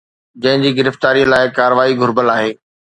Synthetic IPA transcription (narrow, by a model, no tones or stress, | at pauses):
d͡ʑɐ̃ɦɪ̃ɲd͡ʑiːɡɪɾəft̪aːɾijə̃laːɪkaːɾəʋaːiɡʱʊɾbəlaːɦeː